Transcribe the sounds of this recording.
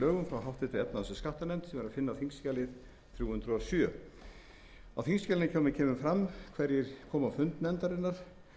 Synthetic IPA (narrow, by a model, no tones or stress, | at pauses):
œːɣʏmfɾawɦawht̪ɪt̪ʰɪɛp̚naðansʏskaht̪anɛnt̪sɛmɛɾaðfɪnːafiŋscaːlɪð | θɾjuːhʏnt̪ɾʏasjœ | awfiŋscalɪnɪcʰaːwmɪncʰɛːmʏmfɾamːkʰvɛɾjɪɾkʰɔːmafʏnt̪nɛnt̪aɾɪnːaɾ̥